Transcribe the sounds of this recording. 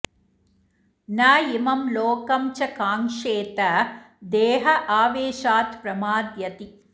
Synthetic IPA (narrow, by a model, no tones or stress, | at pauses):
naːjimɐmloːkɐmt͡ʃɐkaːŋʂeːt̪ɐ | d̪eːɦɐʔaːʋeːʃaːt̪pɾɐmaːd̪jɐt̪i